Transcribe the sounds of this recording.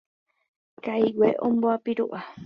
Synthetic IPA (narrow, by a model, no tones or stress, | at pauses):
kajweʔõmboapiɾuʔa